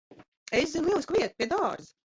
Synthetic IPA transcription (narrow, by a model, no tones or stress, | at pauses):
es̬zinlˠiɛlˠsʲkvʲiɛt̪̚piɛd̪ɑːɾz